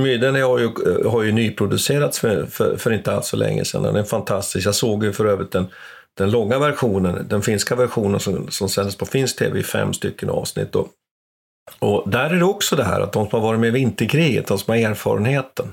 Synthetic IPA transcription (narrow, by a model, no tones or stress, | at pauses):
myːd̪ənəhaɾjɵɦaɾjɵnyːpʰɾʊd̪ɵseːɾat̪sfœfœ̰fœɾɪnt̪əalt̪sfɔœlʔɛ̰ŋːə̰sɛ̰nd̪ɛ̰nɛfant̪ʰast̪ɪskjasoːɡjɵfœɾøːvɾɪt̪̚d̪ɛn | d̪̥ɛnlɔŋːavæɾɧuːnənd̪ɛnfɪnskavæɾɧuːnənsɔsɔmsɛnd̪əspʰɔfɪnsk̚t̪ʰḛːvɛɪfɛ̰mːst̪ʏkːənɑ̰ːvsnɪ̰t̪ːɔ | ɔd̪æɾæɖɛɔksɔd̪ɛɦæ̰ːɾa̰t̪̚d̪ɔmsɔmhaɾvɑːɾɪt̪meːɾvɪnt̪əɾkʰɾiːɡə̰t̪̚d̪ɔmsɔmɛɾeːɾfɑ̰ːɾənheːt̪ən